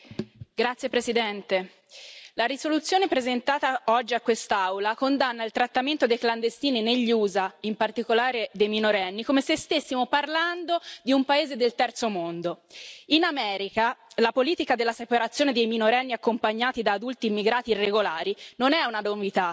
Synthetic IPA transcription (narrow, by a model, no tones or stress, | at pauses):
ɡɾat̪sjepɾesid̪ɛnt̪e | laɾisolut̪sːjoːnepɾezent̪aːt̪aɔd͡ʒːiakːwest̪aawlakond̪anːailt̪ɾat̪ːament̪od̪ejkland̪est̪iːnineʎːuːzaimpart̪ikolaːɾed̪ejminoɾɛnːikomesest̪esːimoparland̪od̪iumpaeːzed̪elt̪ɛrt̪somond̪oinamɛːɾikalapoliːt̪ikad̪elːasepaɾat̪sːjoːned̪ejminoɾɛnːiakːompaɲːaːt̪id̪aːd̪ult̪iːmːiɡɾaːt̪iːrːeɡolaːɾinonɛunad̪ovit̪a